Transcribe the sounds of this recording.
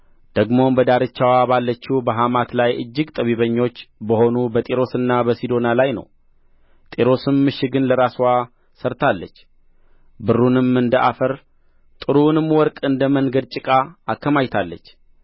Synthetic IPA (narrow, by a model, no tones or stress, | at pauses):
d̪̥əɡmo̞mbəd̪aɾɨt͡ʃːawabalːət͡ʃːubəɦamat̪lajɨ̰d͡ʒːɪɡt̪ʼəβiβəɲːo̞t͡ʃːbəho̞nubət̪ʼeɾo̞sɨnːabəsid̪o̞nalajnə̰w | t̪ʼeɾo̞sɨmːɨʃɪɡɨnləɾasa | səɾt̪ʰalːət͡ʃː | bɨrːunɨmɨnd̪əʔa̰fəɾ | t̪ʼɨɾunɨmwɔɾkʼɨnd̪əmənɡəd̪̚t͡ʃʼɪkʼaːkːəmajt̪ʰalːət͡ʃː